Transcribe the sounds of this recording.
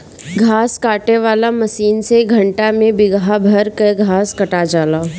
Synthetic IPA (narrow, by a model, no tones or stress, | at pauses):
ɡʱaːskaːʈeʋaːlamɐsiːnseɡʱɐ̃ɳʈamẽbɪɡɦabʱɐɾkeɡʱaːskɐʈad͡ʒaːlaː